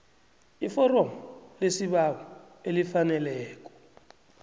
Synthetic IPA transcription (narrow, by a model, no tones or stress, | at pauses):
ifɔrɔmɔlesiɓawɔ | elifanɛlɛːk̬ʼɔ̥